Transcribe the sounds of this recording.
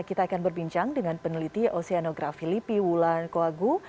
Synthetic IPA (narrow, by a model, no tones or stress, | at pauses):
kit̪aːkanbərbiɲt͡ʃaŋdəŋanpənəlit̪iʔoseanoɡɾafilipiwulankoaɡu